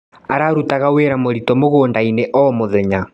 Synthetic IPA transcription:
aɾaɾutaɣaweːɾamoɾitɔmoɣoːndaineʔɔmoðɛɲa

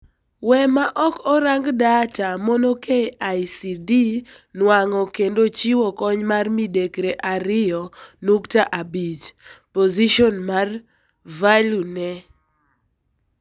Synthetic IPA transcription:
wɛmaʔɔkɔɾaŋɡdatamɔnokʰeaisidi | nwaŋɔkendot͡ʃiwɔkɔɲmarmidekɾeʔaɾɪjɔnuktaʔabit͡ʃpoziʃɔnmar | valunɛ

